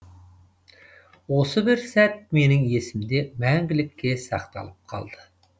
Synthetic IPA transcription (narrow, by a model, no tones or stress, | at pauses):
wo̞səbɪɾsæt̪̚me̞nɪŋje̞sɪmd̪e̞mæŋɡʲɪlɪkʲːe̞sɑ̰qt̪ɑ̰lˠəp̚qʰɑ̰lˠd̪ə